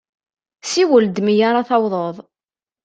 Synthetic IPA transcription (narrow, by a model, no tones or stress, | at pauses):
siwəld̪mijaɾˤɑθɑwðˤəðˤ